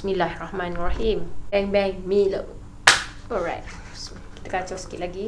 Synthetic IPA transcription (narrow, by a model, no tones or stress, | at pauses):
bismilahɛrahmãnarahimbɛ̃ŋbɛ̃ŋmiləʔ | ɔɹa̰jt̚ | smiki̥t̪akat͡ʃasə̥kit̪̚laɡi